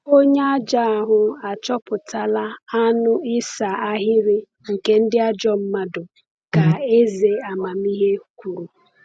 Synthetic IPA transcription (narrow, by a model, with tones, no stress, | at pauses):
o˦ɲe˦a˦d͡ʒa˦a˨ɦʊ˨a˨t͡ʃɔ˦pʊ˨ta˦˨la˦a˦nʊ˦ɪ˦sa˨a˦ɦɪ˦ɾɪ˦ | ŋ̩˨ke˦n̩˦dɪ˦a˦d͡ʒɔ˦m̩˦ma˦dʊ˨ | ka˨e˦ze˨a˨ma˨mi˦ɦe˦kʷu˨ɾu˨